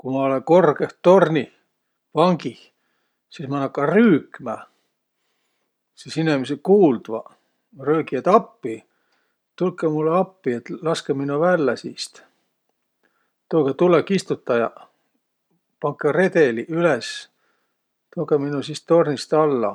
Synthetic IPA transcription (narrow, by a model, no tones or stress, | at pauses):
kumɑoleko̞rkeht̪ːo̞rnʲi | vɑŋɡi | sismɑnːɑkːˑɑryːkˑmæ | sisinemesekuːld̪̥vɑ | røːkiet̪ɑpːi | t̪ulkːˑemulːeɑpːiet̪lɑskeminuvælːæsist̪ | t̪oːket̪ulekːist̪ut̪ːˑɑjɑ̰ | pɑŋkːˑere̞t̪eliʔyles | t̪oːkeminusist̪o̞rnist̪ɑlːɑ̰